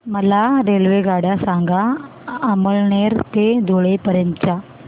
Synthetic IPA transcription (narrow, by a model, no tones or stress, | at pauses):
mɐlaːɾeːlʋeːɡaːɽasaːŋɡa | ɐmɐɭneːɾt̪ed̪oːɭepɐɾɐnt͡ʃa